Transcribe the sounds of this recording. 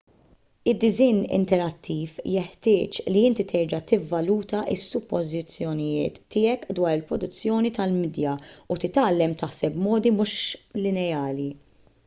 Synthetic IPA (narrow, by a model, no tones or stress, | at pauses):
ɪd̪ːɪzɪːnɪ̰nt̪ɛɾɐt̪ʰːiːfjɛħt̪ɪːt͡ʃliɪnt̪it̪ʰɛɾd͡ʒɐt̪ɪvːɐluːt̪ɐʔɪsːʊpːɔzɪt͡sːjɔnɪjɪ̰ːt̪ːɪːɛkd̪wɐːɾɪlpɾɔd̪ʊt͡sːjɔːnit̪ɐlmɪd̪jɐut̪ɪt̪ɐːlːɛmt̪ɐħsɛpmɔːd̪imʊʃlɪnɛɐːli